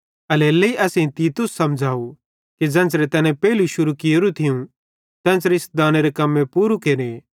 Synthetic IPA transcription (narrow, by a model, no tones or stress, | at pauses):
ɐleːlːeiʔɛːseĩt̪iːt̪ʊsːɐmd͡ʒʱaːu | ked͡ʒɛ̃ːnt͡sɾet̪ɛːnẽpɛːɪluʃʊɾukɪjoɾut̪ʰɪjũ | t̪ɛ̃ːnsɾeɪsd̪aːneɾekɐmːẽpuːɾukeːɾe